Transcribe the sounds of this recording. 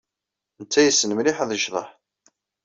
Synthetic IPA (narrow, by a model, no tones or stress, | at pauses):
nt͡sːæjəsːənəmliħðˤəʒðˤə̰ħ